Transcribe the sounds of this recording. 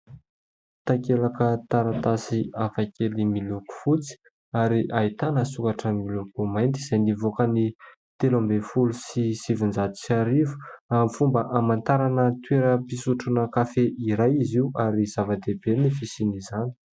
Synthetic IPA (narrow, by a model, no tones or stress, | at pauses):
t̪akelakət̪aɾat̪asiafakʲʰelimiluku̥fut͡si̥ | aɾiʔait̪anəsukaʈ͡ʂəmilukumajnt̪̬iz̥ajnivokəni | t̪elombefulusisivind͡zat̪u̥saɾivu̥amfumbəʔamant̪aɾanət̪weɾəpisuʈ͡ʂunəkafeʔiɾajiziuaɾizavad̪eb̥enifisinizani̥